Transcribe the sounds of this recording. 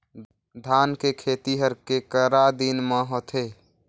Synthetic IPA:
d̪ʱaːnkekʰeːt̪iɦəɾkekəɾad̪inmãɦot̪ʰeː

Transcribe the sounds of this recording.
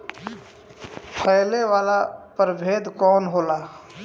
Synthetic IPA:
pʰəɪleʋaːlapəɾbʱeːd̪kɔːnɦoːlaː

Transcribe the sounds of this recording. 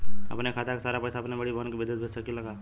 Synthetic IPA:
ɐ̰pnekʰaːt̪akesaːɾapɛːsaɐpnebɐɽibaːnkibɪd̪ed̪bʱessakilɐɡaː

